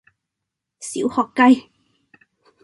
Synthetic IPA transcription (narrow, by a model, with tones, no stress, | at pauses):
sḭ˨˥˦whɔ˨˩kka˧j